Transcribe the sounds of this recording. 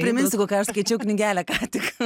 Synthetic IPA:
pʲɾʲɪmʲɪnʲsʲɪkoːkʲɛːɐʃskɐɪt͡ʃʲɛʊknʲɪɡʲæːlʲɛkɑːt̪ʲɪk

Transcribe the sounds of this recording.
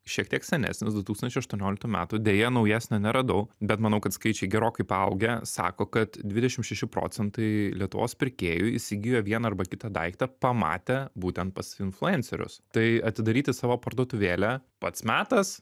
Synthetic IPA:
ʃʲiɛk̚t̪ʲiɛksʲɛnʲæ̰ːsʲnʲɪsd̪ʊt̪uːsɐnt͡ʃʲɛɪɐʃt̪uɔnʲoːlʲɪkt̪uːmʲæ̰ːt̪ʊd̪ʲeːjɛnɒʊjæːsʲnʲonʲɛɾɐd̪ɐʊbʲɛt̪mɐnɐʊkɐt̪skɐɪt͡ʃʲɛɪɡʲɛɾoːkɐɪpɐʊɡʲɛsɑ̰ːkoːkɐt̪d̪ʲʋʲɪd̪ʲɛʃʲɪmʃʲɛʃʲɪpɾo̰ːt͡ssʲɛnt̪ɐɪlʲiɛt̪ʊʋo̰ːspʲɪɾʲkʲeːjʊisʲɪɡʲɪjoːʋʲiɛnɐɐrbɐkʲɪt̪ɑd̪ɐ̰ɪkt̪ɐpɐmɑ̰ːt̪ʲɛbuːt̪ʲɛnt̪̚pɐsɪnflˠʊɛnʲsʲɛɾʲʊ̰st̪ɐɪɐt̪ʲɪd̪ɐɾʲiːt̪ʲɪsɑːʋoːpɐɾd̪uɔt̪ʊʋʲeːlʲɛpɐt̪smʲæːt̪ɐs

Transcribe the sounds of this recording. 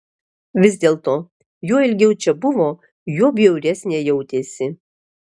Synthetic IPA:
ʋʲɪzʲd̪ʲeːlˠt̪oː | juɔɪlʲɡʲɛʊt͡ʃʲɛbʊʋoː | juɔbʲjɛʊɾʲɛsʲnʲeːjɛʊt̪ʲeːsʲɪ

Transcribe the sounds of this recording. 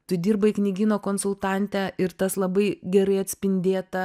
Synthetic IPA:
t̪ʊd̪ʲiːɾbɐɪknʲɪɡʲiːnoːkoːnsʊlˠt̪ɑˑnʲt̪ʲæʔɪɾt̪ɐslˠɐbɐɪɡʲɛɾɐɪɐt̪ʲsʲpʲɪnʲd̪ʲeːt̪ɐ

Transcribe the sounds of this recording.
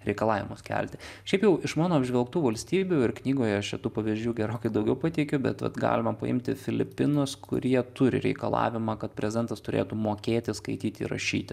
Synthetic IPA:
ɾʲɛɪkɐlˠɑːʋʲɪmʊskʲæ̰lʲt̪ʲɪʃʲɛɪpjɛʊɪʃmɑːnoːɐbʲʒʲʋʲɛlˠkt̪uːʋɐlʲsʲt̪ʲiːbʲuɪrknʲiːɡoːjɛʃt͡ʃʲɛt̪uːpɐʋʲizʲd͡ʒʲuːɡʲɛɾoːkɐɪd̪ɐʊɡʲɛʊpɑt̪ʲɛɪkʲʊbʲɛ̰t̪ʋɐ̰t̪ɡɑ̰ːlʲɪmɐpɐ̰ɪ̰mʲt̪ʲɪ̰fʲɪlʲɪpʲɪnʊskʰʊ̰ɾʲiɛt̪ʊɾʲɪ̰ɾʲɛ̰ɪkɐlˠɑ̰ːʋʲɪmɑːkɐt̪̚pʲɾʲɛzʲɪd̪ɛnt̪ɐst̪ʊɾʲḛːt̪uːmoːkʲeːt̪ʲɪskɐɪt̪ʲiːt̪ʲɪ̰ɾɐ̰ʃʲiːt̪ʲɪ

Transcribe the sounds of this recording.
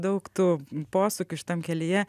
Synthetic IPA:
d̪ɐʊkt̪uːpoːsʊkʲʊʃʲɪ̥t̪ɐmkʲɛlʲɪjɛ

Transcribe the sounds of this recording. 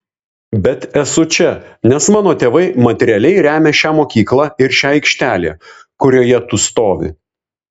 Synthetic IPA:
bʲɛt̪ɛsʊt͡ʃʲɛnʲɛsmɑːnoːt̪ʲeːʋɐɪmɐt̪ʲɛɾʲɪɛlʲɛɪɾʲæːmʲeːʃʲæːmoːkʲiːklˠɑɪɾʃʲæːɛɪkʃʲt̪ʲæːlʲḛːkʊɾʲoːjɛt̪ʊst̪oːʋʲɪ̰

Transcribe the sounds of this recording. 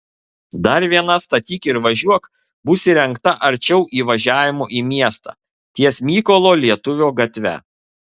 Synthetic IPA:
d̪ɐɾʋʲiɛnɐst̪ɐt̪ʲiːkɪɾʋɐʒʲuɔk | bʊsʲɪɾʲɛŋkt̪ɐʔɐɾʲt͡ʃʲɛʊʔiːʋɐʒʲæːʋʲɪmoːʔiːmʲiɛst̪ɑ̰ː | t̪ʲiɛsʲmʲiːkolˠoːlʲiɛt̪ʊʋʲoːɡɐt̪ʲʋʲɛ̰

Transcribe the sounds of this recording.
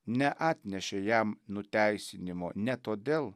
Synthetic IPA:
nʲɛʔɑːt̪ʲnʲɛʃʲejæmnʊt̪ʲæɪsʲɪnʲɪmoːnʲɛt̪oːd̪ʲeːlˠ

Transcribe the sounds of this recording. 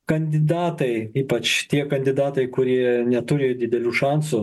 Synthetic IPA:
kɐnʲd̪ʲɪd̪ɑːt̪ɐɪiːpɐt͡ʃt̪ʲiɛkɐnʲd̪ʲɪd̪ɑːt̪ɐɪkʊɾʲiɛnʲɛt̪ʊɾʲejd̪ʲɪd̪ʲɛlʲuːʃɑnsʊ

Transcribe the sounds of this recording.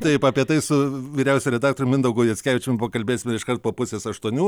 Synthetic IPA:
t̪ɐɪpɐpʲiɛt̪ɐɪsʊʋʲiːɾʲɛʊsʲɛmɾʲɛd̪ɑːkt̪oːɾʲʊmʲɪnd̪ɐʊɡʊjɛsʲkʲæːʋʲɪt͡ʃʲɛmbʊokɐlʲbʲeːsʲɪmʲɛɪʃkɐɾt̪̚poːpʊsʲeːsɐʃt̪uɔnʲuː

